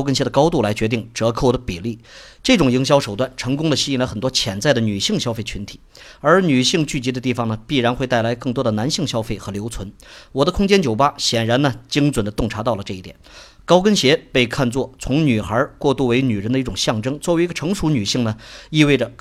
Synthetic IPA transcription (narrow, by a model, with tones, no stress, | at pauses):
kə˥nɕjɛ˧˥d̪ə˧kɑ˥ʊt̪u˥˩la˧˥ɪt͡ɕɥɛ˧˥i˥˩ŋʈ͡ʂɤ˧˥kʰo˥˩ʊd̪ə˩pi˨˩li˥˩ | ʈ͡ʂɤ˥˩ʈ͡ʂʊ˨˩ŋji˧˥ŋɕ̬jɑ˥ʂo˨˩ʊt̪wa˥˩nʈ͡ʂʰɤ˧˥ŋkʊ˥ŋd̪ə˨ɕi˥˩la˥xə˨˩nt̪wɔ˥t͡ɕʰjɛ˧˩nt͡sa˥˩ɪd̪ə˩ny˨˩ɕi˥˩ŋɕjɑ˥ʊfe˥˩ɪt͡ɕʰy˧˥nt̪ʰi̥˨˦ | ə˞˧˥ny˨˩ɕi˥˧ŋt͡ɕy˥˩t͡ɕi˧˥d̪ə˧t̪i˥˩fɑ˨˩ŋnə˩pi˥˩ɻa˧˥nxwe˥˧ɪa˥˩ɪla˧˥ɪkɤ˥˩ŋt̪wɔ˥d̪ə˨na˧˥nɕi˥˩ŋɕjɑ˥ʊfe˥˩ɪxɤ˧˥ljo˧˥ʊt͡sʰwə˧˥nwɔ˨˩d̪ə˦kʰʊ˥ŋt͡ɕjɛ˥nt͡ɕjo˨˩ʊpa˥ɕjɛ˨˩nɻa˧˥nnə˧t͡ɕi˥ŋt͡swə˨˩nd̪ə˦t̪ʊ˥˩ŋʈ͡ʂʰa˧˥t̪ɑ˥˩ʊlə˩ʈ͡ʂɤ˥˧i˥˩t̪jɛ˨˩n | kɑ˥ʊkə˥nɕjɛ˧˥pe˥˧ɪkʰa˥˧nt͡swɔ˥˩t͡sʰʊ˧˥ŋny˨˩xə˞˧˥kwɔ˥˧t̪u˥˩we˧˥ɪny˨˩ɻə˧˥nd̪ə˧i˥˩ʈ͡ʂʊ˨˩ŋɕjɑ˥˩ŋʈ͡ʂɤ˥ŋt͡swɔ˥˩wi˧˥ɡə˧ʈ͡ʂʰɤ˧˥ŋʂu˧˥ny˨˩ɕi˥˩ŋnə˩i˥˧we˥˩ɪʈ͡ʂə˩